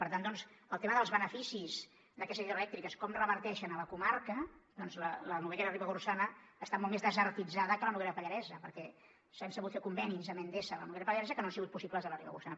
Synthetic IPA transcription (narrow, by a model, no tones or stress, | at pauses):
pəɾt̪and̪ɔnzəlˠt̪eməðəlˠzβənəfisiz | d̪əkɛst̪əziðɾəlɛk̚t̪ɾikəskɔmrəβəɾt̪ɛʃənələkumarkəd̪ɔnzlələnuβɛʎələriβəɣursanəːst̪amɔlmezðəzərt̪id͡zaðəkələnuβɛləpəʎəɾɛzəpəɾkɛ | sənsəɣut̪fekumbɛnizəmend̪esələnuβɛlɐəpəʎəɾɛzəkənoansiɣut̪̚pusipləzðələriβə̰ɣursanə